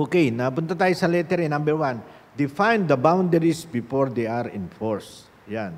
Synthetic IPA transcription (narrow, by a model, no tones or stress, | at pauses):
ʔokejnɐpʊnt̪ɐt̪aːjosɐlɛt̪ɛɾɛnambɛɾwãn | d̪ɪfãjnd̪ɐbawnd̪ɛɾisbɪfoɹd̪ejaɾɪ̰̃nfɔɹs | jan